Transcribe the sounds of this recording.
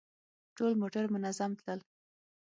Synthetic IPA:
ʈolmoʈaɾmʊnazamt̪ləl

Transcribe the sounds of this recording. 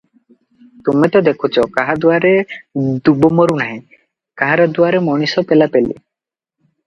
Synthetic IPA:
t̪umet̪ɔd̪ekʰut͡ʃʰɔkaɦad̪uaɾed̪ubɔmɔɾunaɦĩ | kaɦaɾad̪uaɾemɔɽ̃isɔpelapelḭ

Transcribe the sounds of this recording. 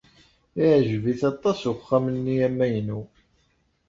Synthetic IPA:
iʕʒviθɑt̪ˤːɑsuχːæmənːiæmːæjnu

